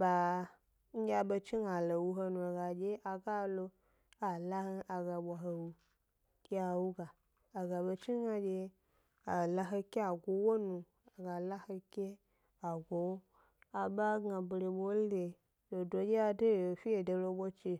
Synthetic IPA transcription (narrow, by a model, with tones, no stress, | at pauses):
ba˨ | ŋ̩˦ɡʲa˧ɓo˧t͡ʃi˦ŋa˨lo˨wu˧ɦo˧nu˧˨ɡa˨d͡ʒe˦a˨ɡa˦lo˧ | a˨la˦he˧ʔa˨ɡa˨ɓʷa˨ɦo˧wu˧ | kʲe˦a˨wu˦ɡaː˨ | ɡa˨ɓe˧t͡ʃi˦ɡa˧d͡ʒe˧ | a˨la˧ɦe˧kʲe˦a˨ɡo˨wo˦nu˧ | a˨ɡa˨la˦he˧kʲe˦ | a˨ɡʷo˨˦ | a˨ɓa˦ɡa˧bɾe˧ɓo˦le˧ | to˨do˧d͡ʒe˦a˧do˦˨o˨fi˦je˨do˧lo˧ɓo˦t͡ʃe˧